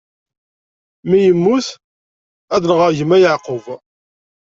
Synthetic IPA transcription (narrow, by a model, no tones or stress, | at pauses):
mijəmːuθ | æðləʁəɾʝəmːæjəʕqəv